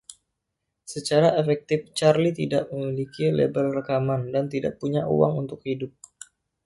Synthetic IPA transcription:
sət͡ʃaɾaʔefɛk̚t̪ɪft͡ʃarlit̪idaʔməmilikilḛbəlrəkamandant̪ida̰ʔpuɲaʔṵwa̰ŋunt̪ʊk̚hidʊp̚

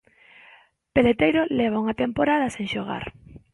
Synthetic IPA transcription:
pelet̪ejɾoleβ̞auŋat̪empoɾað̞ɐseŋʃoɣ̞a̰ɾ

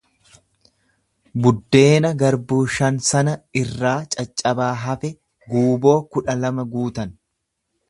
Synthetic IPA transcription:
bʊd̪ːe̞ːnɐɡɐɾbuːʃɐnsɐnɐɪrːaːt͡ʃʼɐt͡ʃʼːɐbaːɦɐfɛ | ɡuːbo̞ːkʊᶑɐlɐmɐɡuːt̪ɐn

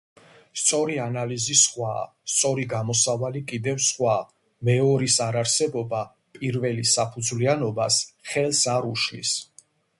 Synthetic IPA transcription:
st̪sʼɔɾianalizisχwa | st̪sʼɔɾiɡamɔsavalikʼid̪ɛvsχwa | mɛɔɾisaɾaɾsɛbɔba | pʼiɾvɛlisapʰud̪zlianɔbasχɛlsaɾuʃlḭs

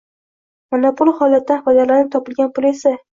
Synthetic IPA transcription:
manapʊlˠhɒlat̪ːabad̪aɾlaɾnɪt̪ʰɒpɪlɡʲanpʰʊle̞sa

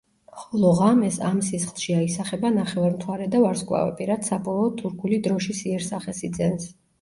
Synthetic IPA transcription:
χɔlˠɔʁamɛsamsisχlˠʃiaisaχɛbanaχɛvaɾmt̪ʰwaɾɛd̪avaɾskʼwa̰vɛ̰pʼiɾad̪sabɔlˠɔːt̪ʰuɾkʰulid̪ɾɔʃisiɛɾsaχɛsid̪zɛns

